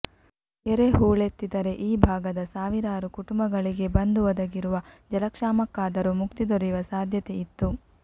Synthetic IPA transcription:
eɾeɦuːɭet̪ːid̪ɐɾe̞ʔiːbʱaːɡɐd̪ɐsaːʋiɾaːɾukuʈumbɐɡɐɭiɡe̞bɐnd̪uʋɐd̪ɐɡiɾuʋɐd͡ʒɐlɐkʂaːmɐkːaːd̪ɐɾumukt̪id̪oɾiʋɐsaːd̪ʱjɐt̪eit̪ːu

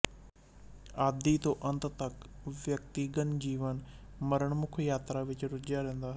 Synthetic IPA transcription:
aːd̪it̪oʔɐ̃nt̪t̪ɐkʋjɐkt̪iːɡənd͡ʑiːʋən | mɐɾəɽ̃mʊkʰjaːt̪ɾaʋɪt͡ɕɾʊd͡ʑjaɾẽɦə̃nd̪aːɦ

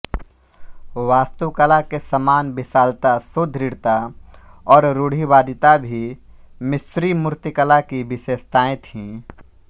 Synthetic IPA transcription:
ʋaːst̪əʋkəlakesəmaːnbɪsaːlt̪asod̪ʱɾɪɽt̪a | ɔːɾɾʊɽ̤iʋaːd̪ɪt̪abʱimɪsɾimʊɾt̪ɪkəlakibɪʃeːst̪aːẽt̪ʰĩː

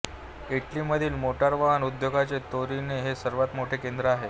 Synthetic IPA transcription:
iʈliməd̪ʱiːlmoʈaɾʋaʋanud̪joɡat͡set̪oɾineɦesəɾʋat̪moʈʰekend̪ɾəaɦe

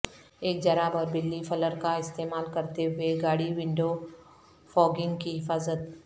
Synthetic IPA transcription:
eːk̚d͡ʒɐɾaːbɔːɾbɪlːifʰɐləɾkaɪst̪eːmaːlkɐɾt̪eɦʊeɡaːɽiʋɪ̃ɳɖo | fɔːɡɪ̃ŋɡkiɦɪfaːzət̪̚

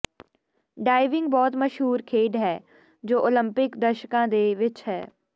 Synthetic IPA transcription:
ɖaːɪʋɪ̃ŋɡ̚bɔːt̪məʃɦuːɾkʰeːɖɦɛː | d͡ʒoːʔoləmpɪkd̪əɾʃkãːd̪eːʋɪt͡ʃɦɛ̰ː

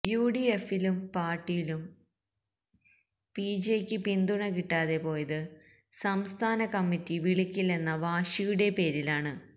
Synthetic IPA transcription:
juːɽiefilumpaːrʈːijilum | pid͡ʑekʲːɨpind̪uɳɐk̬iʈːaːðe̞po̞ːjɐðɨ | sɐmst̪ʰaːnɐkɐmːitːiʋiɭikʲːilːenːɐʋaːʂijuɽe̞pe̞ːɾilaːɳɨ

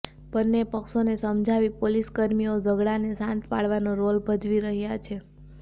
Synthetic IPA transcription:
b̥ənːepəkʃonesəmd͡ʒʱaʋipoliskəɾmiod͡ʒəɡɭanesãnt̪pa̰ɭʋanoɾolbʱəd͡ʒʋiɾəɦjat͡ʃʰe

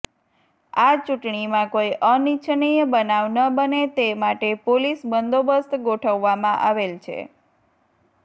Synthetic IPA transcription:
at͡ʃuʈɳimãkojʔənit͡ʃʰnijəbənaʋnəbənet̪emaʈepolisbənd̪obəst̪ʰɡoʈʰəʋːamãʔaʋelt͡ʃʰḛ

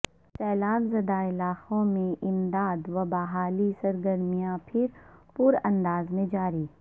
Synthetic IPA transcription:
sɛːlaːɡzɐd̪aɪlaːqõmẽʔɪmd̪aːd̪ʋɐbɐɦaːlisɐɾɡəɾmijãpʰɪɾpʊɾɐ̃nd̪aːzmẽd͡ʒaːɾiː

